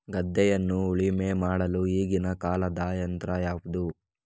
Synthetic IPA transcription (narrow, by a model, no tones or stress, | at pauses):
ɡɐd̪ːɛjɐnːuuɭime̞maːɽɐluiːɡinɐkaːlɐd̪aːjɐnt̪ɾɐjaːʋud̪u